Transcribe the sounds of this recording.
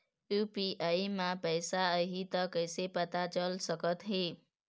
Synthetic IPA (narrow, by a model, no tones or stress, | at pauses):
jupiʔaimãpəjsaəɦit̪əkəjsepət̪at͡ʃəlsəkət̪ɦe